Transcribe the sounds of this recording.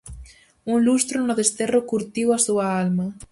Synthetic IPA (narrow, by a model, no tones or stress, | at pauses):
uŋlust̪ɾonoðest̪erokuɾt̪iwasuaalmɐ